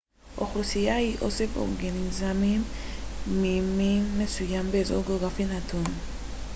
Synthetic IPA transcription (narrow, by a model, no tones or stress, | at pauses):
ʔo̰χlusijahiʔosefo̰ɾɡanizamimː | imiːesujambezo̰ɡoɡafinatʰon